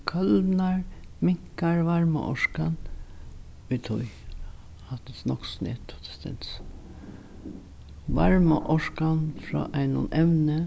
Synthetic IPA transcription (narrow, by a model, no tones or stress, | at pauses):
kʰœlnaɹmɪŋ̥kaɹʋaɹma̰ʔɔʃkan | ʋit̪ʰʊj | hat̪ɪsnɔksnḛt̪ʰʊ̥t̪ɛ̥st̪ɛ̰ns | ʋa̰ɹmə̰ʔɔʂkanfɾɔ̰ːʔæɪnʊ̰nʔɛʋnə